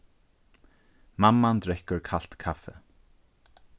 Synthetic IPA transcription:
mamːant̪ɾɛhkʏɾkʰal̥t̪kʰafɛ̰

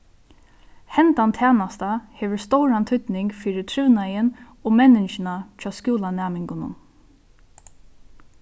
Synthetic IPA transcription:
hɛnt̪ant̪ʰæːnast̪aheːʋəɹst̪owɾant̪ʰʏt̪nɪŋkfiːɾɪt̪ʰɾʉʋnajɪn | oːmɛnɪt͡ʃɪnat͡ʃʰɑːskuːlanæːmɪŋkʊnʊ̰n

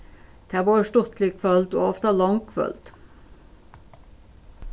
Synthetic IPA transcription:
t̪ʰæːʋoːʃʈʊt̪lɪkʰfœlt̪o̰ːɔft̪ɑlɑŋkʰʋœ̰lt̪

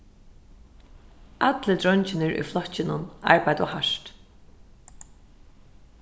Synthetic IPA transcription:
at̪lət̪ɾɔɲt͡ʃɪnɪɹʊ̰jflɔt͡ʃɪnʊna̰ɹpajd̪ɔ̰haʂt̪

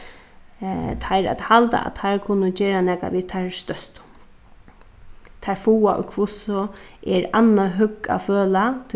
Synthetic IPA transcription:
t̪ʰajɾa̰t̪halt̪a̰ʔa̰t̪ʰːaɹkʰʊnːʊd͡ʒeːɾanɛːka̰ʋit̪ʰaɹst̪œst̪ | t̪ʰaɾfuːaʔʊ̰kʰvʊsʊʔɛɹanːaɦʏkːa̰føːlat̪ʰ

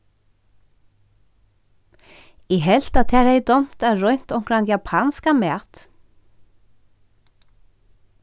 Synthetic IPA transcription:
ɛɦɛl̥t̪at̪ʰɛɾejt̪ɔm̥t̪aɾœɥn̥t̪ɔwŋ̥kɾant̪japʰanskamɛːt̪

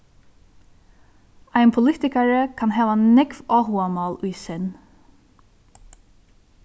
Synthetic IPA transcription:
æɪnpʰʊlɪt̪ɪkaɹəkʰɑnɦæːʋanɛɡʋɑːhuːamɑːlʊjsɪn

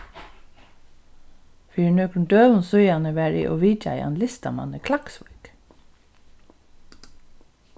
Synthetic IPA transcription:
fyːɳøːkɳd̪øːʋənsʉʏɑnəʋæːɹḭːʔo̰ːʋiːcʰɑ̰ɪɑ̰nlɪst̪ɑ̰mɑ̰nəkʰlɑksʋʊ̰k

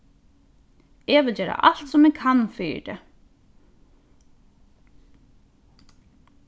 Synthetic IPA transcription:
ɛʋɪld͡ʑɛːɾa̰ʔal̥t̪sɔmɛɡ̚kʰanfḭːd̪ɛ̰

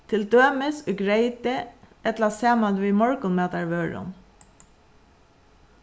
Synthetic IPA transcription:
t̪ʰɪld̪øːməsoɡɹeɪt̪əʔɛt̪lɑseːmɑd̪ʋimɔɹkʊnmeːt̪ɑɹʋøːɹʊ̰n

